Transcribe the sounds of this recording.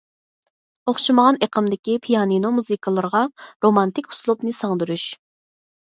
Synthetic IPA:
oχʃiməʁɑneqʰəmd̪ɪkʲipʰijɑninomuzɨkʰəlˠəɾʁɑɾomɑnt̪ɪkʲhu̥slˠupnɨsɑŋd̪uɾuʃ

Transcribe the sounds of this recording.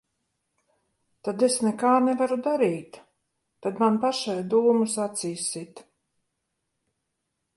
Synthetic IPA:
t̪ad̪esnɛkaːnɛvaɾud̪aɾiːt̪ | t̪ad̪manpaʃajd̪uːmusat̪siːsit̪

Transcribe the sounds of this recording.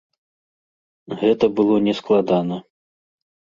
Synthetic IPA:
ɣɛt̪ɐbɨlˠɔnʲɛsklˠad̪anɐ

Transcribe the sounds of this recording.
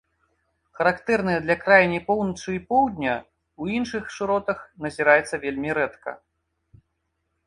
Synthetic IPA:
xɐɾakt̪ɛrnɨjɐd̪lʲɐkɾajnʲipɔwnɐt͡ʂɨipɔwd̪ʲnʲɐ | uinʂɨxʂɨɾɔt̪ɐxnɐzʲiɾajɛt̪sːɐvʲelʲmʲiɾɛt̪kɐ̰

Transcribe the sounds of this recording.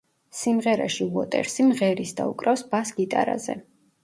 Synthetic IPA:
simʁɛɾa̰ʃivɔt̪ʼɛ̰ɾsimʁɛɾisd̪aukʼɾafsb̥asɡit̪ʼa̰ɾa̰zɛ̰

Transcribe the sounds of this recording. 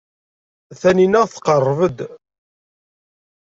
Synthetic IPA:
θæninæʁθə̥qərˤːvəd̪

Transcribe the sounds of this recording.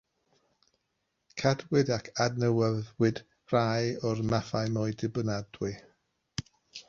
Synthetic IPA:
kʰadwɪdakʰadnəwəðwɪd | r̥ajɔrmafajmɔjdɪbənadwɨ

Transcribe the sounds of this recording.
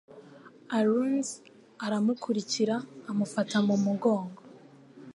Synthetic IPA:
aɾunz | aɾamukʰuɾiciɾaːmufatamumuɡo̞ːŋɡo

